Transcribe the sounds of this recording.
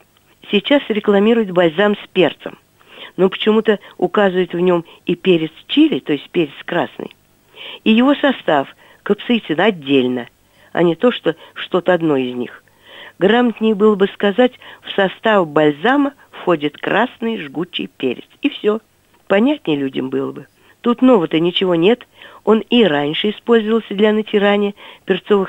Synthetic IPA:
sʲɪt͡ɕasɾʲɪklˠɐmʲiɾʊjɪt̪bɐlʲzamsʲpʲe̞rt̪sə̰m | no̞pə̥t͡ɕɪmut̪əʊkazvʊjɪt̪vnʲo̞m | ipʲeɾʲɪt̪st͡ɕilʲɪt̪o̞jɪsʲt̚ʲpʲeɾʲɪt̪skɾasnɨ̰j | ijɪvo̞sɐst̪af | kəpsɨjt̪ʲɪnɐdʲːelʲnə | ɐ̰nʲɪt̪o̞ʂt̪o̞ʂt̪o̞t̪əɐd̪no̞ɪzʲnʲḭx | ɡramət̪ʲnʲɪjbɨlˠəbɨskɐzatʲfsɐst̪avbɐlʲzamə | fxo̞dʲɪt̪kɾʔasnɨjʐɡut͡ɕːɪ̰jpʲḛɾʲɪ̰t̪sifsʲo | pɐnʲætʲnʲɪjlʲudʲɪ̰mbɨlˠəbɨ | t̪ut̪no̞vət̪ənʲɪt͡ɕɪvo̞nʲet̪o̞niɾanʲʂɨɪspo̞lʲzəvəlˠsʲəd̪lʲɐnətʲɪɾanʲɪjəpʲɪrt̪so̞vɨx

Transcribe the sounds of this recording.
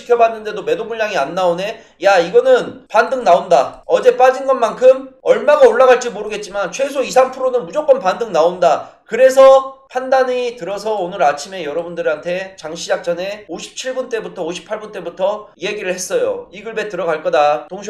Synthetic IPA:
i̥kʰjʌbanːɯnde̞dome̞domuʎːaŋianːaone̞ | jaiɡʌnɯnpandɯŋnaondaʌd͡ʑe̞p͈ad͡ʑinɡʌnmankʰɯmʌɭmaɡaoɭːaɣaɭt͡ɕ͈imoɾɯɡe̞t̚t͡ɕ͈imant͡ɕʰwe̞sʰoisʰampʰɯɾonɯnmud͡ʑok͈ʌnpandɯŋnaondakɯɾe̞sʰʌpʰandaɲitɯɾʌs̬ʰʌonɯɾat͡ɕʰime̞jʌɾʌbundɯɾantʰe̞t͡ɕaŋɕʰid͡ʑak̚t͡ɕ͈ʌne̞oɕʰi̥p̚t͡ɕʰiɭbunt͈e̞butʰʌoɕʰi̥pʰːaɭbunt͈e̞butʰʌieɡiɾɯɭhe̞s͈ʌjo̰iɡɯɭbe̞tɯɾʌɡaɭk͈ʌdatoŋɕ

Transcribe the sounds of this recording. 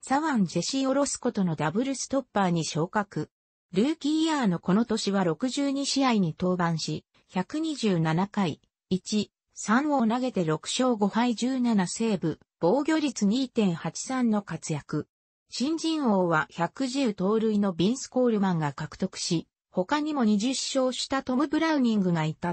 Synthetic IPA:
saβãɲd͡ʑe̞ɕĩo̞ɾo̞sɨ̥ko̞t̪o̞no̞d̪abɯ̟ɾɯ̟sɨ̥t̪o̞pːaːɲ̟iɕo̞ːkakɯ̟ | ɾɯːkʲiːaːno̞ko̞no̞t̪o̞ɕiβaɾo̞kɯ̟ʑɨːɲ̟iɕiaiɲ̟it̪o̞ːbãɰ̃ɕi | çʲakɯ̟ɲ̟iʑɨːnanakai | it͡ɕi | sãɰ̃o̞ːnaɡe̞t̪e̞ɾo̞kɯ̟̥ɕo̞ːɡo̞haid͡ʑɨːnanase̞ːbɯ̟ | b̥o̞ːɡʲo̞ːɾʲit͡sɨɲ̟iːt̪ẽ̞ɰ̃hat͡ɕi̥sãnːo̞kat͡sɨjakɯ̟ | ɕĩɲ̟d͡ʑĩɰ̃o̞ːβaçʲakɯ̟ʑɨːt̪o̞ːɾɯ̟ino̞bʲĩɰ̃sɨ̥ko̞ːɾɯ̟mãŋɡakakɯ̟̥t̪o̞kɯ̟̥ɕi | ho̞kaɲ̟imo̞ɲ̟iʑɨɕːo̞ːɕi̥t̪at̪o̞mɯ̟bɯ̟ɾaɯ̟ɲʲĩŋɡɯ̟ɡait̪a

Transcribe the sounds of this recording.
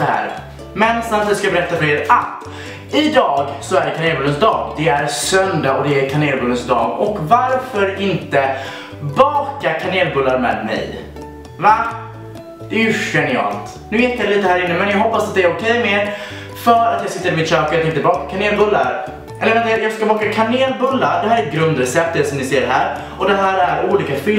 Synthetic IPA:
sɔhæ̰ːɾ | mɛnsant̪ʰiːd̪skajabɛɾɛt̪ːafœɾeːɾʔat̪ | ɪd̪ɑːɡsɔæɖɛkʰaneːlbɵlːənsd̪ɑːɡd̪ɛæɾsœnd̪aɔd̪ɛæɾkʰaneːlbɵlːənsd̪ɑ̰ːɡɔkvaɾfœɾɪnt̪ə | bɑːkakʰaneːlbɵlːaɾmɛ̰ːd̪mɛ̰j | va | d̪̥ɛjɵɧɛnɪɑ̰ːlt̪ | nʉ̟ːjɛt̪ːjaliːt̪əhæːɾɪnːəmɛnjɑɡɦɔpːasat̪̚d̪ɛæɾʊkʰɛjmɛ | fœːɾat̪jɑɡsɪt̪ːəɾɪmɪt̪ɕøːkajt̪ʰɛɪŋkt̪əbɑːkakʰaneːlbɵlːa̰ɾ | ɛləɾvɛnajɑːɡskabɑːkakʰaneːlbɵlːaɾɖ̪ɛɦæːɾɛt̪̚ɡɾɵnd̪ɾɛsɛp̚t̪ːət̪sɔmnɪseːɾɦæːɾ | ɔd̪ɛɦæːɾæɾuːliːkafʏ

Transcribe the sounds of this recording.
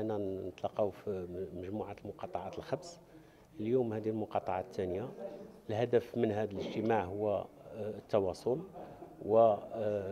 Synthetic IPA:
ənːænt̪ˤlɑqːɑwfiməʒmuʕat̪lmʊqɑt̪ˤɑʕat̪əlxæbs | ljumhæd̪ilmʊqɑt̪ˤɑʕat̪ːænjaəlhæd̪əfmənhæd̪ələʒt̪əmaʕɦʊwːæt̪ːɑwɑsˤolwə

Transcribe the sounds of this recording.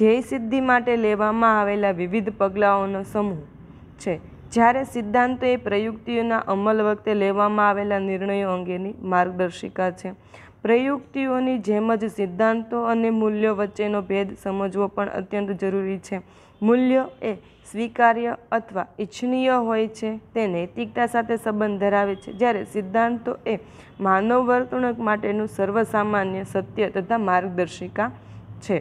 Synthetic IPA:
d͡ʒeisɪd̪ʱːimaʈeleʋamãaʋelaʋiʋid̪ʱpəɡlaonosəmu | t͡ʃʰe | d͡ʒjaɾesɪd̪ʱːãnt̪oepɾəjuɡt̪ionaʔəməlʋək̚t̪eleʋamãaʋelanɪɾɳəjoəŋɡenimaɾɡ̚d̪əɾʃikat͡ʃʰe | pɾəjuɡt̪ionid͡ʒeməd͡ʒsɪd̪ʱːãnt̪oənemuljəʋətːʃenobʱed̪səməd͡ʒʋopəɳə̰t̪jənt̪d͡ʒəɾuɾit͡ʃʰe | muljəe | sʋikaɾjəət̪ʰʋaɪt͡ʃʰɳijəɦojt͡ʃʰet̪enəjt̪ik̚t̪asat̪ʰesəbənd̪ʱəɾaʋet͡ʃʰḛd͡ʒjaɾesɪd̪ʱːãnt̪oʔe | manoʋəɾt̪əɳəkmaʈenũsəɾʋəsamanjəsət̪jət̪ət̪ʰamaɾɡ̚d̪əɾʃikat͡ʃʰe

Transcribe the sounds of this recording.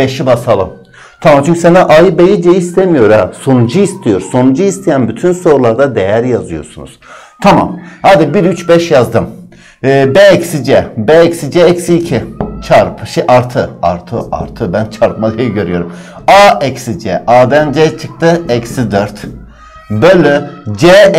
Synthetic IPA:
b̥e̞ʃibasalˠɯm | t̪ʰamamt͡ʃʰyɲcʰysenɛʔajbejid͡ʒejiist̪ʰemijo̞ɾaso̞nud͡ʒuist̪ʰijo̞ɾso̞nud͡ʒuist̪ʰejænbyt̪ʰynso̞ɾulˠaɾd̪ad̪e̞jæɾjazɯjo̞̰ɾsunṵz̥ | t̪ʰama̰mhad̪ibiɾyt͡ʃbɛʃjazd̪ɯmː | beɛcsid͡ʒɛbeɛcsid͡ʒɛɛcsiːcʰit͡ʃʰaɾpʰʃeʔaɾt̪ʰɯa̰ɾt̪ʰɯ̰ʔa̰ɾt̪ʰɯbænt͡ʃʰaɾpmalˠɯjiɟø̞ɾyjo̞ɾum | aɛcsid͡ʒɛʔaːd̪ænd͡ʒɛt͡ʃʰɯk̚t̪ʰɯɛcsid̪øɾt̪ | bølʲːɛd͡ʒe

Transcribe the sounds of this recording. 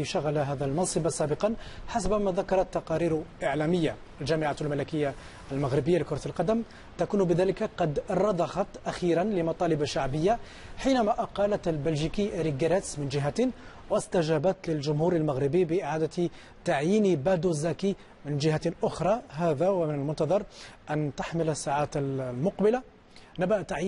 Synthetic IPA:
ʃaɣalaɦæːd̪ælmɑnsˤɨbasæːbəqɑnħasbmaðakɑɾˤɑt̪ːɑqɑɾiːɾʔɪʕlæməjːa | lʒæːmɪʕalmælkəjːa | ʔːlmaɣɾɪbəjːalikʊɾˤɑt̪lqɑd̪əm | t̪akuːnbɪðæːlɪkaqɑd̪ɾˤɑd̪ˤɑxɑt̪ʔaxiːɾanlɪmɑt̪ˤɑːlɪbʃaʕbəjːa | ħiːnæmæʔɑqɑlat̪lbælʒikiʔɾiɡaɾˤet̪smɪnʒɪɦa | wəst̪aʒæbat̪lɪlʒʊmhuːɾalmaɣɾɪbibɪʔɪʕaːd̪a | t̪aʕjiːnbæd̪uzæki | mɪnʒɪɦaʔʊxɾˤɑɦæːðawamɪnəlmʊnt̪ɑðˤɑɾˤʔænt̪aħməlasːaːʕaːt̪mʊqbɪla | nabaʔt̪ːaʕ

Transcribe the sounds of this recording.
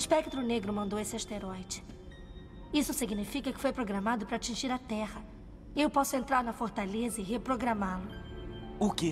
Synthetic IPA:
ɪspɛk̚t̪ɾʊneɡɾʊmɐ̃nd̪owesɪast̪eɾɔjd͡ʒɪ̥ | isʊsiɡnifikɐkɪ̥fojpɾoɡɾɐmad̪ʊpɾɐːt͡ʃĩʒiɾɐt̪ɛhɐ | ewpɔsʊẽnt̪ɾaɾnɐfoɾt̪alezɐɪɦepɾoɡɾɐmalʊ | ʊkɪ

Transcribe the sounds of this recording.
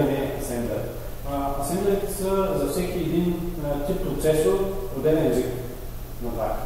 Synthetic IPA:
ɐnɛɐsɛnd̪ə | ɐsɛ̃nd̪əɾt̪səzɐfsɛkiɛd̪int̪ip̚pːɾʊt̪sɛsoɾɾod̪ɛnɛɛzik | nɐp̪a̰

